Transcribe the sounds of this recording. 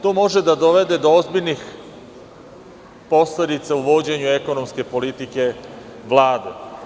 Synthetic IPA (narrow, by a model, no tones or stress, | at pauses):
t̪oːmo̞ʒe̞d̪ad̪o̞ʋe̞d̪e̞d̪oozbiʎnix | po̞sled̪it̪sauʋo̞d͡ʑe̞ɲue̞ko̞no̞mske̞po̞lit̪ike̞ʋlˠaːd̪ḛ